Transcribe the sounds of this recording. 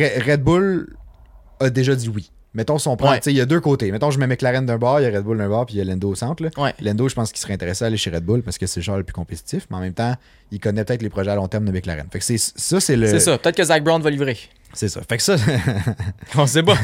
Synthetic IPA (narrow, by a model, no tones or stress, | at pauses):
ɛʁɛd̪̚bʊl | ɐd̪eʒʌd̪iwi | mɛt̪ɔ̃sɔ̃pwɛ̃t͡sejɐd̪øːkot̪emɛt̪ɔ̃ʒəmɛmɛklaʁɛnd̪œ̃bɑːʁjaʁɛd̪bʊld̪œ̃bɑːʁpijalɛ̃nd̪oːsɑ̃t̪ləwɛlɛ̃nd̪oʒəpɑ̃skʲi̥sə̥ʁɛ̃t̪eʁesãaːleʃeʁɛd̪̚bʊlpaʁskəsɛlʃaːləplykɔ̃pet̪i̥t̪ɪfmeɑ̃mɛ̃mt̪ã | ikʌnɛpøt̪ɛɪt̪lepʁɔʒɛalɔ̃t̪ɛʁmd̪əmɛkla̰ʁɛ̰nfaksessʌsɛləesʌpøt̪ɛt̪̚kəzak̚bʁɑ̃d̪vʌlivʁe | sesʌ̰faksʌ | ɔ̃s̬epʌ